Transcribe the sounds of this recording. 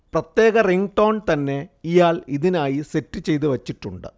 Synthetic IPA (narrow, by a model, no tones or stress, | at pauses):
prɐt̪je̞ːɣɐriŋʈoːɳt̪ɐnːe̞ijaːliðinaːjise̞tːɨt͡ɕe̞jt̪̬uʋɐt͡ɕːiʈːuɳɖɨ̰